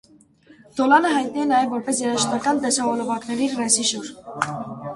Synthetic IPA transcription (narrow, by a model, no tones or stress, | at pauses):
d̪̥ɔlɑnəɦɑjt̪̚niɛnɑjɛvːɔɾpɛsjɛɾɑʃnɑkɑnd̪ɛsɑvɔlɔvɑknɛɾirɛsiʃuɾ